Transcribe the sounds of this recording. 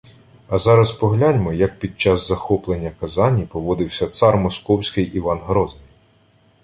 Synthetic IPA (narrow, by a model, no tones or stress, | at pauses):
ɐzɑɾɐspɔɦlʲanʲmɔjɐk̚pʲid̪̚t͡ʃɑzzɐxɔplˠenʲːɐkɐzɑnʲipɔʋɔd̪ɪwsʲɐt̪sɑrmɔskɔwsʲkɪjʔiʋɑnɦɾɔznɪj